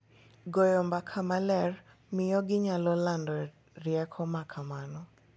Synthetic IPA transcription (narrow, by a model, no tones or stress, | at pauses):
ɡɔjɔmbakʰamalɛr | mɪjɔɡɪɲalɔlandɔ | rɪɛkʰɔmakʰamanɔ